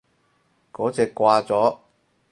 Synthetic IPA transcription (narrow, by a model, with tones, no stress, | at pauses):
kɔː˨˥t͡sɛː˨˧kːʷaː˧t͡sɔː˨˥